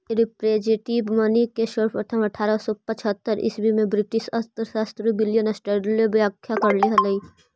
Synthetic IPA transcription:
ɾɪpɾeːd͡ʒeʈiːbmɐnikːeʃəɾpʰɐʈʰəmɐʈʰaːɾasɔpɐt͡ʃʰət̪ːəɾɪ̰sbʱimẽbɾɪʈɪʃɐt̪əɾsaːst̪ɾəbɪljənɐsʈeɖlebjaːkʰːjakɐɾliɦɐlɐi

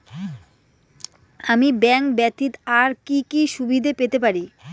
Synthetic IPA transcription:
amibɛŋkbɛt̪ːit̪aɾkikiʃubid̪ʱepet̪epaɾi

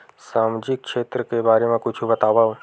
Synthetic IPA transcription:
saːmd͡ʒɪk̚ːʃeːt̪ɾəkebaːɾemẽkʊt͡ʃʰubɐt̪aːʋa

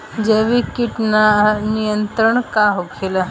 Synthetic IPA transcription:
d͡ʑeʋikiʈnanijənt̪ɾəɳkaɦokʰelə

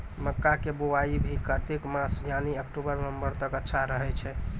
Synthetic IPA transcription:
məkːakeboaibʱikəɾt̪ekmãsjaniəkʈobəɾnəmbəɾt̪əkətːʃʰaɾəɦɛt͡ʃʰɛ

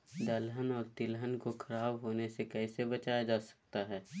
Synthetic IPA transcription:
d̪əlɦənɔːɾt̪ɪlɦənkoxʰɐɾaːbɦoːnesekɛːsebɐt͡ʃaːjad͡ʒaːsɐ̥k̚t̪aɦɛː

